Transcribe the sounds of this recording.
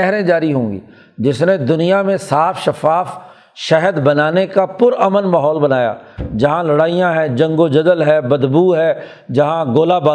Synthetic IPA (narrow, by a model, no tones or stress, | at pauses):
ɛɦɾẽd͡ʒaːɾiɦõːŋɡḭː | d͡ʒɪsned̪ʊnijamẽsaːfʰʃɐfaːf | ʃɛɦəd̪bənaːnekapʊɾəmənmaːɦɔːlbənaːja̰ːd͡ʒɐɦãlɐɽaːijãɦɛ̃ːd͡ʒɐ̃ŋɡod͡ʒəd̪əlɦɛːbəd̪buːɦɛː | d͡ʒɐɦãɡoːlabaː